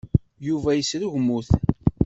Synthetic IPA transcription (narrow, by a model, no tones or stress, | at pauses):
juvæjəsɾuʝmuθ